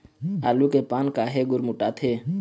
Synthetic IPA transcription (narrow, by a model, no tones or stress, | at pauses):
aːluːkeːpaːnkaːɦeːɡʊɾmʊʈaːt̪ʰeː